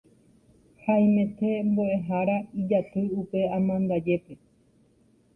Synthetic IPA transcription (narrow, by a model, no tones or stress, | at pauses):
haj̃mẽ̞t̪e̞mboe̞ɦaɾaid͡ʒat̪ɨupe̞amãnd̪ad͡ʒe̞pe̞